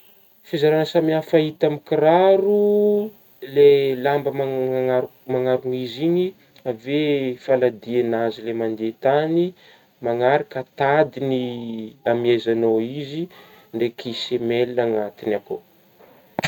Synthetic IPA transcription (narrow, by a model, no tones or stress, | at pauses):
fizaɾanəsamiafait̪amikiɾaɾu | lelambəmaaa | maŋaɾuŋiziɲi | avefalad̪ienazilemand̪et̪ani | maŋaɾakat̪ad̪iniamiajzanoizi | ɳɖ͡ʐekʰisemelːaŋat̪inako